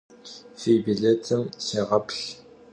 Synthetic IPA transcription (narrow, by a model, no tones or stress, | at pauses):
fiːbiɮetʰɨmseːʁɐpʰɬ